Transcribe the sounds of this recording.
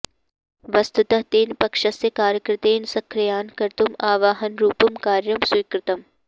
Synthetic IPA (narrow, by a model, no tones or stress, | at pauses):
ʋɐst̪ut̪ɐɦt̪eːnpɐkʂɐsjɐkaːɾjɐkɾɪt̪eːnsɐkʰɾɐjaːnkɐɾt̪umaːʋaːɦɐnɾuːpɐmkaːɾjɐmswiːkɾɪt̪ɐm